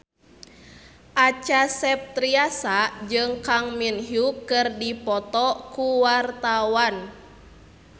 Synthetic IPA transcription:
ʔat͡ʃasɛp̚t̪ɾiasad͡ʒɨŋkaŋminɦukɨrdipɔt̪ɔkuwart̪awan

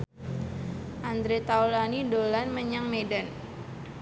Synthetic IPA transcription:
ʔand̪ɾet̪awlanidolanməɲaŋmedan

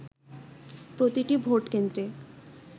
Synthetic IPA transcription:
pɾot̪iʈibʱoʈkend̪ɾe

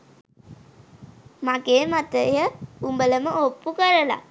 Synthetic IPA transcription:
maɡeːmat̪əjəumbələməopːukəɾəla̰

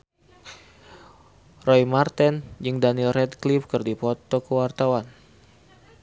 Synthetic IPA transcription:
rɔjmart̪ɛnd͡ʒɨŋdanilrɛd̪klifkɨrdipɔt̪ɔkəwart̪awan

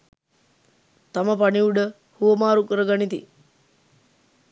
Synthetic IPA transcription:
t̪aməpaɳiuɖə | huʋəmaːɾukəɾəɡanit̪ḭ

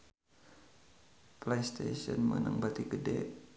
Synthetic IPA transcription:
plejst̪esɔnmənəŋbat̪iɡədɛ

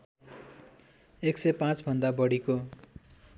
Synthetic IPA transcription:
eksʌjpãt͡sbʱʌnd̪abʌɽiko

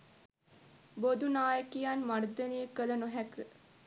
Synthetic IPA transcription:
bod̪unaːjəkijanmaɾd̪ənijəkələnoɦækə

